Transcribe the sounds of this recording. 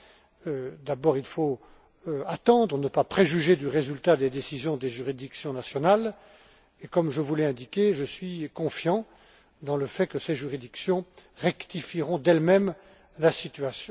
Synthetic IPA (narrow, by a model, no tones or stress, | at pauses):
d̪abɔʁilfo | at̪ɑ̃d̪ʁənəpapχeʒyʒed̪yʁezylt̪ad̪ed̪esizjɔ̃d̪eʒyʁid̪iksjɔ̃nasjɔnal | ekɔmʒəvulɛɛ̃d̪ikʲeʒəsɥikɔ̃fjɑ̃ | d̪ɑ̃ləfɛkəseʒyʁid̪iksjɔ̃ʁɛkt̪ifiʁɔ̃d̪ɛlmɛm | lasit̪yasjɔ̃